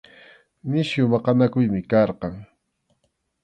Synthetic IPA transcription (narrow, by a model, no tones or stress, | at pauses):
mɪʃjʊmɑqɑnakʊjmɪkɑɾqɑŋ